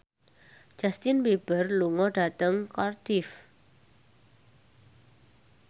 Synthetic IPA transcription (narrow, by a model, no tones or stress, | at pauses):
d͡ʒ̥ast̪ɪnweb̥ərluŋɔɖa̤t̪əŋkɔrt̪ɪf